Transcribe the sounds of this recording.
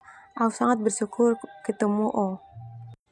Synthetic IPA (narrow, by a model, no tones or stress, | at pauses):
ʔausaŋat̪̚bərʃukʰʊrkit̪əmuʔo